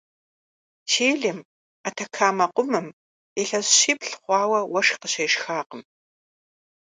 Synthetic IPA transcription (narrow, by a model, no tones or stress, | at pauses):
tʰeːɮɪm | atʰɐkʰaːmɐqʷʊmɨm | eɬɐzɕiːpɬχʷɑːwɐwɐʂqəɕɐjʂxaːqəm